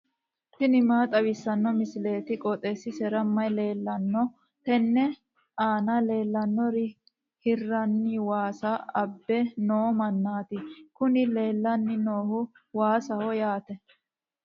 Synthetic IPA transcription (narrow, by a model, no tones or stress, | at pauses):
t̪ɪnɪmaːt̪ʼɐbɪsːɐnːɔmɪsɪle̞ːt̪ɪkʼɔt̪ʼesɪsɛɾɐmːɐjle̞ːlːɐnːɔ | t̪ɛnːɛ | aːnɐle̞ːlːɐnːɔɾɪ | hɪrːɐnːɪwaːsaɐbːɛnoːmɐnːaːt̪ɪkʊnɪle̞ːlːɐnːɪnoːhʊ | waːsɐhɔjaːt̪ɛ